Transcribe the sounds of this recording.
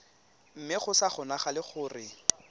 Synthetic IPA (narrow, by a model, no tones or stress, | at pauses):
m̩mɪχʊsaχʊnaχalɪχʊːrɪ